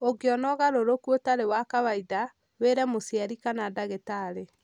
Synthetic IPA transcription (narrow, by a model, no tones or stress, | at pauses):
oɡeɔnɔɣaɾoɾokuotaɾewakaβaida | weɾɛmosiaɾikanadaɣetaɾe